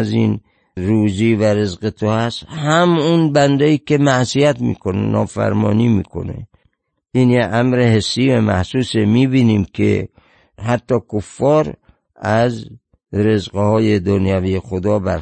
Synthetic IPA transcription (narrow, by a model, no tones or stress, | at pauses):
zin | ɾuːd͡ʒiːvæɾezqet̪ʰohæst̪hæmunbænd̪eiːkʲemæʔsijæt̪mḭːkʰonḛnɒ̰ːfæ̰ɾmɒːniːmḭːkʰo̞̰nḛ | ʔiːnjeʔæmɾehesːiːvæmæhsuːsemiːbiːniːmkʰḛ | hæt̪ːɒːkʰofːɒːɾ | æz | ɾe̞zɢehɒːjed̪onjæviːjexod̪ɒːbæɾ